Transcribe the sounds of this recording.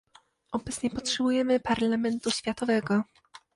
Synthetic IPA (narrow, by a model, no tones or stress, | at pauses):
ʔɔbɛt̪sɲɛpɔtʂɛbujɛmɘpaɾlamɛnt̪uɕfʲjat̪ɔvɛɡɔ